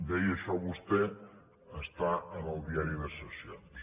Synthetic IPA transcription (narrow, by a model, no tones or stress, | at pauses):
d̪ɛjəʃɔβust̪ɛ | əst̪aənəlˠd̪iaɾiðəsəsions